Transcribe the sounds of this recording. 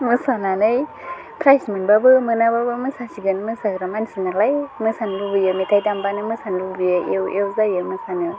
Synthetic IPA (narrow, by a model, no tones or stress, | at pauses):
mɯsananɯj | kʰɾajsmɯnbabɯmɯnababɯmɯsasiɡɯnmɯsaɡɾamansinalajmɯsanlubɯjɯmitʰajdambanɯmɯsanlubijaewʔewzajɯmɯsanɯ